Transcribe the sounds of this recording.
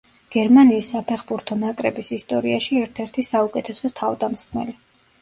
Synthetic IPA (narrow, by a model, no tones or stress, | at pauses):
ɡ̥ɛɾmaniːsːapʰɛχbuɾt̪ʰɔnakʼɾɛbisist̪ʼɔɾiaʃiɛɾt̪ʰɛɾt̪ʰisaukʼɛt̪ʰɛsɔt̪ʰavd̪amsχmɛ̰li